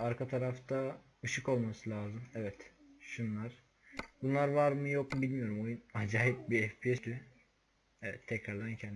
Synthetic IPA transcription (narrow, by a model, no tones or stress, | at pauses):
aɾkʰat̪ʰaɾaft̪ʰa | ɯʃɯko̞lˠmasɯlʲˠaːzɯmɛvɛt̪ | ʃunlˠaɾ̥ | bunlˠaɾvaɾmɯjok̚bilʲmijo̞ɾumo̞junad͡ʒaːɦip̚biɛfpʰiɛy | ɛvɛt̪ʰːɛcɾaɾlˠancʰɛn